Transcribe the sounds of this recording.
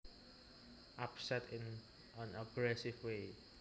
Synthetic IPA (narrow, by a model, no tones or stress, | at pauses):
ʔapsɛt̪ɪ̃n | ʔə̃naɡɹɛsɪvwe